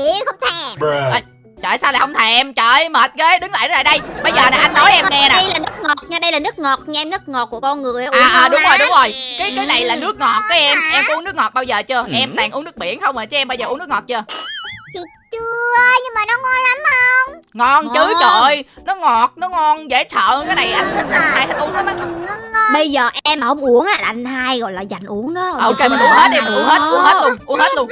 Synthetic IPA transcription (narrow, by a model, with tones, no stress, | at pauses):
i˧˨xə˧wŋ͡mt̪ʰe˧˩ʔʔəː˧˩ | t͡ɕə̰ː˧˨jsaː˧wlaː˨˩hə˧wŋ͡mt̪ʰɛ˨˩ʔɛ˧mt͡ɕə̰ː˧˨jməː˨˩t̚ɣe˨˦ɗɨ˨˦ŋla̰ː˧˨jaː˧˨˩jɗə˧jɓə˧jzəː˨˩naː˨˩ʔa˧jnnːɔ˨˦jʔɛ˧˨ŋɛ˧naː˨ə˧jlaː˨˩nɨ˦˥k̚ŋɔ˨˩t̚ɲa˧ɗə˧jlaː˨˩nɨ˦˥ək̚ŋɔ˨˩t̚ɲa˧ʔɛ˧mnɨ˦˥k̚ŋɔ˨˩ku˧˩ə˩kɔ˧nŋɨ˨˩əjaː˧˦˨ɗʊ˨˦ŋ͡mzo˨˩jɗʊ˨˦ŋ͡mzo˨˩jkaː˨˦jkaː˨˦jna˨˩jlaː˨˩nɨ˦˥ək̚ŋɔ˨˩t̚kaː˨˦ʔɛ˧mʔɛ˧mku˧˦nɨ˦˥k̚ŋɔ˨˩t̚ɓaː˧wzəː˨˩t͡ɕɨ˧əʔɛ˧mt̪a˨˩ŋʔu˨˦nɨ˦˥k̚ɓḭ˧˨ənxə˧wŋ͡mʔəː˨˩t͡ɕɨ˨˦ʔɛ˧mɓaː˧wzəː˨˩ʔnɨ˦˥kŋɔ˨˩t̚t͡ɕɨ˧ət͡ɕi˨˩ | t͡ɕɨ˧˩əə˧ɲɨ˧ŋmaː˨˩nɔ˨˦ŋɔ˧nla˨˦mː˨˧˩ə˧wŋ͡mŋɔ˧nt͡ɕɨ˨˦t͡ɕɔ˧˨jnɔ˨˦ŋɔ˨˩t̚nɔ˨˦ŋɔ˧nzḛ˧˩t͡ɕʰə̰ː˧˨˧kaː˨˦jna˨˩jʔa˧jŋtə˨˦˥a˨˧˩haː˧jt̪ʰa˨˧˩ŋʔu˧˦nha˨˦ma˨˦˧ɓə˧jzəː˨˩ʔɛ˧mːaː˨˩hə˧wŋ͡mʔu˨˩əŋʔaː˧˩˨ŋhaː˧jɣɔ̰˧˨jlaː˨˩za˨˩jŋ̟ʔu˧˦əŋɗɔ˨˦ʔo˨˧wke˧maː˨˩ʔu˨˦əŋhe˦˥t̚ʔɛ˧mʔu˨˧˦əŋhe˦˥t̚ʔu˨˦əŋhe˦t̚lu˧əŋʔu˨˦əŋhe˦˥t̚lən